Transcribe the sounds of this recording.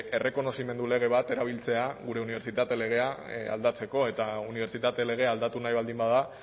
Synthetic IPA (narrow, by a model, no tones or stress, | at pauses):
e̞re̞ko̞no̞sime̞nd̪ule̞ɣ̞e̞β̞at̪e̞ɾaβ̞ilt͡se̞aɣuɾe̞uniβ̞e̞ɾt͡sit̪at̪e̞le̞ɣ̞e̞aa̰ld̪at͡se̞ko̞e̞t̪auniβe̞ɾt͡sit̪at̪e̞le̞ɣ̞e̞ald̪at̪unajβald̪imbað̞a